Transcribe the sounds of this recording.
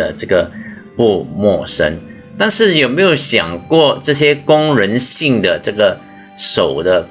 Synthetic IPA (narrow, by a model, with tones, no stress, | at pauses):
ə̰˩ʈ͡ʂɤ˥˩ɡə˩ | pu˥˧mwɔ˥˩ʂə̰˥n | t̪a˥˧nʂɻ̩˥˩jo˨˩ʊme˧˥ɪjo˧˩˥ʊɕjɑ˨˩ŋkwɔ˥˩ʈ͡ʂɤ˥˩ɕ̬jɛ˥kʊ˥ŋɻə˧˥nɕi˥˩ŋd̪ə˩ʈ͡ʂɤ˥˩ɡə˩ | ʂo˨˩ʊd̪ə˦